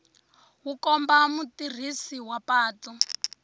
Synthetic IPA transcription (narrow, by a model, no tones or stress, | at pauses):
ɦukɔmbamutir̤isiwapaːtɔ